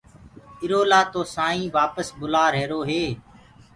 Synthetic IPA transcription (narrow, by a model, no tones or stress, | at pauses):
ɪɾoːlaːt̪oːsãːĩːʋaːpəsbʊlaːɾɦeːɾoːɦeː